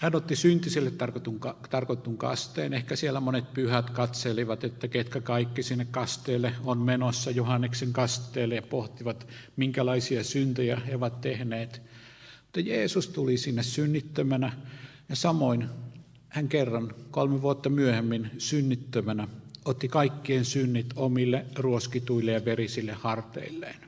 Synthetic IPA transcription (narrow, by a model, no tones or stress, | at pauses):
hænot̪ːisynt̪isilːet̪t̪ːɑrkot̪ːuŋkɑt̪ɑrkot̪ːuŋkɑ̰st̪ḛːnehkæsielːæmonet̪̚pyhæt̪kɑt̪seliʋɑt̪et̪ːæket̪kækɑikːisinːekkɑst̪eːlːˑeonmenosːɑjohɑnːekseŋkɑst̪ˑeːlːˑejɑpoht̪iʋɑt̪miŋkælɑisiɑsynt̪øjæeoʋɑt̪t̪ehneːt̪ | mut̪ːɑjeːsust̪ulisinːessynːit̪ːømænæ | jɑsɑmoin | hæŋkerːɑnkolmeʋuot̪ːɑmyøhemːinsynːit̪ːømænæot̪ːikɑikːieːnsynːit̪omilːeruoskit̪uilːejɑʋerisilːehhɑrt̪ḛilːḛːn